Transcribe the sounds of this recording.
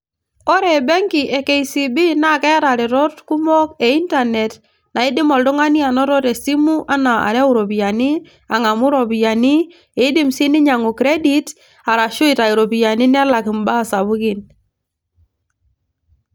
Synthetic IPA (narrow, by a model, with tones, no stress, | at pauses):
ɔ˦ɾe˨bɛ˦ŋki˨ʔe˨ke˨i˨si˨bi˦na˦kɛ˦ɾa˨ɾɪ˨ɾɔ˦tku˦mɔ˦ke˨i˦nta˨ne˨t | na˨ɪ˦dɪ˦mɔ˨ldʊ˦ŋa˦ni˦a˨nɔ˦ɾɔ˦ɾe˨si˦mu˦ʔa˦na˨a̰˨ɾɛ˦u˦ɾo˨pi˨ja˨ni˦ | a˨ŋa˨mʊ˦ɾɔ˨pi˨ja˨ni˦ | e˨˦dɪ˦msi˦nɪ˦ɲa˨ŋu˨kɾe˦di˦t | a˨ɾa˨ʃʊ˦ɪ˨ta˨i˨ɾo˨pi˨ja˨ni˦nɛ˦la˨kɪ˨mba˦˨sa˨βʊ˦kɪ˨n